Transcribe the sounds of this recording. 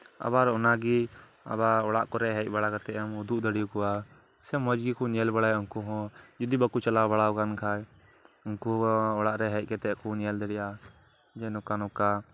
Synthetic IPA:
a̰baɾɔnaɡi | a̰baɔɽaʔkɔɾɛɦɛc̚ˀbaɽakat̪ɛamud̪uʔd̪əɽijukɔwa | sɛmɔd͡ʒɡikɔɲɛlbaɽajuŋkuɦɔ̃d͡ʒud̪ibakut͡ʃalabaɽawkankʰaj | unkuɔɽaʔɾɛɦɛc̚ˀkɛt̪ɛʔkɔɲɛld̪əɽɛja | d͡ʒɛnɔkanɔka

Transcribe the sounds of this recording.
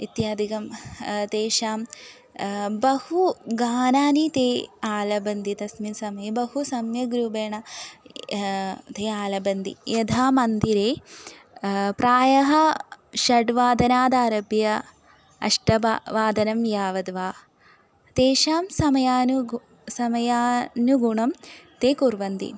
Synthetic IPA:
it̪jaːd̪ikɐmt̪eːʃaːm | bɐhuɡaːnaːnit̪eːaːlɐbɐnd̪it̪ɐsminsɐmɐjebɐhusɐmjɐɡɾubeːɳɐ | t̪eːaːlɐbɐnd̪ḭjɐd̪ʱaːmɐnd̪iɾeː | pɾaːjɐɦɐʃɐɖʋaːd̪ɐnaːd̪aːɾɐbjɐ | ɐ̰ʂʈɐbaʋaːd̪ɐnɐmjaːʋɐd̪ʋaː | t̪eːʃaːmsɐmɐjaːnu | sɐmɐjaːnuɡuɳɐmt̪eːkuɾʋɐnd̪ḭ

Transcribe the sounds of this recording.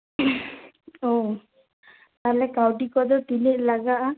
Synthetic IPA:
ɔ | t̪alɛkawʈikɔd̪ɔt̪ileʔ̚laɡaʔa

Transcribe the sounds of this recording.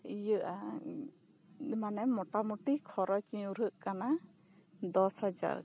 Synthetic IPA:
ijəʔa | manɛmɔʈamuʈikʰɔɾɔt͡ʃiũɾəʔkana | d̪ɔshad͡ʒa̰ɾ

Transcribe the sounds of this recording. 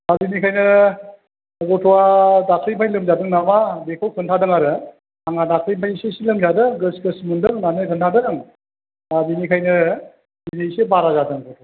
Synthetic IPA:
abinikʰajnɯ | ɡɔtʰɔwadakʰɾimajlɯmzadɯŋnamabekʰawkʰɯntʰadɯŋaɾɯ | aŋadakʰɾimajsesilɯmzadɯɡɯsɡɯsmundɯŋnanɯkʰɯntʰadɯŋ | abinikʰajnɯ | binisebaɾazadɯŋɡɔtʰɔwa

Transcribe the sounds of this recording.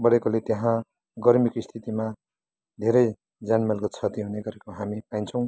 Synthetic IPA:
bʌɾekolet̪jeɦã | ɡʌrmikoist̪ʰit̪ima | d̪ʱeɾʌj | d͡zanmʌlkot͡sʰʌt̪iɦuneɡʌɾekoɦamipaint͡sʰʌw̃

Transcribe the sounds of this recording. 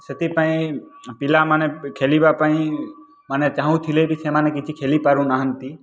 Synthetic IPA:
set̪ipaĩpilamanekʰelibapaĩ | manet͡ʃaːɦũt̪ʰilebisemaːnekit͡ʃʰikʰeːlipaɾũnaɦənt̪i

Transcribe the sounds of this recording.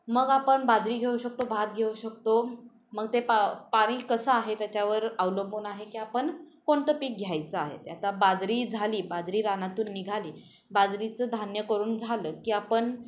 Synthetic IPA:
məɡapəɳbad̪ʱɾiːɡʱeuɕək̚t̪obʱat̪̚ɡʱeuɕək̚t̪o | məɡ̚t̪epapaɽ̃iːkəsəaɦet̪jat͡ɕaʋəɾawləmbuːnaɦekiːapəɳ | koɳt̪əpiːk̚ɡʱjajt͡səaɦḛt̪jat̪abad̪ɾiːd͡zʱaliːbad̪ɾiːɾanat̪uːnːiɡʱaliː | bad̪ɾit͡səːd̪ʱanjəkəɾuːnd͡zʱaləːkiːapəɳ

